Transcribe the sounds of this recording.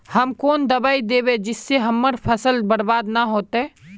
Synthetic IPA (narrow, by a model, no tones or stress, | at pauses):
hɐmkoːnd̪ɐbaːid̪eːbed͡ʒɪsːeɦɐmːəɾpʰəsəlbəɽbaːd̪naɦoːt̪ɛː